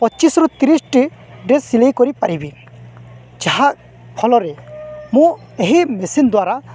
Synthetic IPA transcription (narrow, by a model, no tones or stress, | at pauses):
pɔt͡ʃisɾɔt̪iɾisʈiɖesilejkɔɾipaɾibi | d͡ʒaɦaʔ | pʰɔlɔɾɛmũ | eɦimesind̪waɾa